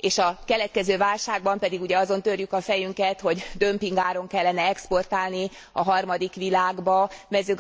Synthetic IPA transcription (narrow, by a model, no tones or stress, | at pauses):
eːʃɒkɛlɛt̪̚kɛzøːvaːlʃaːɡ̚bɒmpɛd̪iɡuɟɛɒzo̞nt̪ørjykɒfɛjyŋkɛt̪ho̞ɟd̪ø̞mpiŋɡaːɾo̞ŋkɛlːɛnɛɛkspo̞rt̪aːlni | ɒ̰ɦɒrmɒd̪ikʋilaːɡbɒmɛzøːɡ